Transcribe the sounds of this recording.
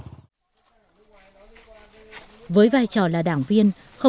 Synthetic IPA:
vəː˨˦jvaː˨˩jt͡ɕɔ˨˩laː˨˩ɗaː˧˩ŋvi˧ən | xə˧

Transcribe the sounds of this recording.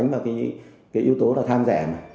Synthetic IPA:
jŋ̟vaː˨˩kaː˨˦ | kaː˨˦jʔi˧əwt̪o˨˦laː˨˩t̪ʰaː˧mzɛ̰ː˧˩ma˨˩

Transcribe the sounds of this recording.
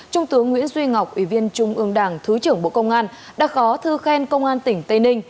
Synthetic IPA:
t͡ɕʊ˧ŋ͡mt̪ɨ˨˦əŋːwḭ˧˥nzwi˧ŋa˨˩wk͡p̚ʔwi˧˩vi˧ənt͡ɕʊ˧ŋ͡mʔɨ˧əŋɗaː˧˩ŋt̪ʰɨ˨˦t͡ɕɨ˧˩əŋɓo̰˧˨kə˧wŋ͡mʔaː˧n | ɗa̰ː˧˥xɔ˨˦t̪ʰɨ˧xɛ˧nkə˧wŋ͡mʔaː˧nt̪ï˨˩ŋ̟t̪ə˧jnï˧ŋ̟

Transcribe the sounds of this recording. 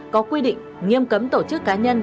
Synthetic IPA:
kɔ˨˦kwi˧ɗḭ˧˨ŋ̟ | ŋi˧əmkə˨˦mt̪o˧˩t͡ɕɨ˦˥kːaː˨˦ɲə˧n

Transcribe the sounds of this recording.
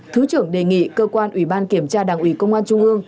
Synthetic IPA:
t̪ʰɨ˨˦t͡ɕɨ˧˩əŋɗe˨˩ŋḭ˧˨kəː˧kwaː˧nʔwi˧˩ɓaː˧nki˧˩əmt͡ɕaː˧ɗaː˨˩ŋʔi˧˩kə˧wŋ͡mʔaː˧nt͡ɕʊ˧ŋ͡mʔɨ˧əŋ

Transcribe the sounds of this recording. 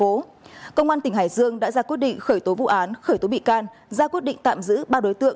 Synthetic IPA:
o˨˦ | kə˧wŋ͡mʔaː˧nt̪ï˧˩ŋ̟ɦaː˧˩jzɨ˧əŋɗa̰ː˧˥zaː˧kwi˦˥ət̚ɗḭ˧˨ŋ̟xəː˧˩jt̪o˨˦vṵ˧˨ʔaː˨˦nxəː˧˩jt̪o˨˦ɓḭ˧˨kaː˧n | zaː˧kwi˦˥ət̚ɗḭ˧˨ŋ̟t̪a̰ː˧˨mzɨ̰˧˥ɓaː˧ɗo˨˦jt̪ɨ̰˧˨əŋ

